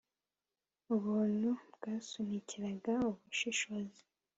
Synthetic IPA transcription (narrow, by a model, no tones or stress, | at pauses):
uβuːn̥hubɡaːsunicʰiɾaɡauβuʃiʃozi̥